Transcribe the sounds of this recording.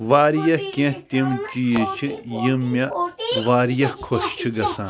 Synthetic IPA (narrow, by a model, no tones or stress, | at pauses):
ʋaːɾjɐhkẽt̪imt͡ʃijit͡ʃʰijimːɐʋaːɾjɐhkʰoɕt͡ʃʰiɡɐsãː